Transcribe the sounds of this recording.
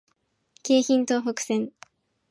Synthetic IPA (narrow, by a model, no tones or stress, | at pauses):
ke̞ːçĩnt̪o̞ːɦokɯ̟̥sẽn